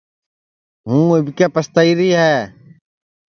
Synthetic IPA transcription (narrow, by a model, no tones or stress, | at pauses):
ɦũːebkeːpəst̪əiːɾiːɦɛː